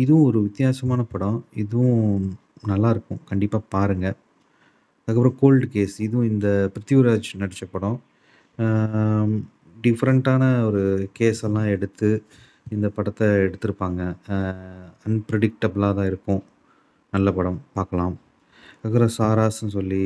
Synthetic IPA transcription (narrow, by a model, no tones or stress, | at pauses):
ɪðɯʋʊ̃ɔɾɯʋɪt̪ːjaːsɐmaːnɐpɐɽɔ̃ɪðɯʋʊ̃nɐlːaːɪɾɯkːʊ̃kɐɳɖɪpːaːpaːɾɯŋɡɐ | ɐðaːkːɐpːɯɾɐ̃koːlɖkeːsɪðɯʋʊ̃ɪnd̪ɐpɾɐt̪ːjuːɾaːt͡ʃnɐɽɪt͡ʃːɐpːɐɽʊ̃ | ɖɪfɐɾɐɳʈaːnɐɔɾɯkeːsɛlːãːɛɽɯt̪ːɯ | ɪnd̪ɐpɐɽɐt̪ːɛɛɽɯt̪ːɯɾɯpːaːŋɡɐ | ɐnpɾɐɽɪk̚ʈɐblãːt̪ãːɪɾɯkːʊ̃ | nɐlːɐpɐɽɐ̃mpaːɾkɐlãːm | ɐðkɐpɾɐ̃saːɾaːsnɯsɔlːi